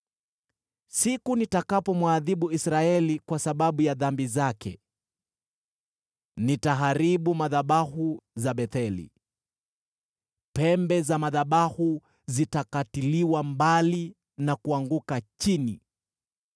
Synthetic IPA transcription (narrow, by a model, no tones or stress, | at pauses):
sikunitakapɔmwaðiɓuisɾaɛlikwasaɓaɓujaðambizakɛ̰ | nitaɦaɾiɓumaðaɓahuzaɓɛθɛlḭ | pɛmbɛzamaðaɓahu | zitakatiliwambali | nakuaŋɡukat͡ʃini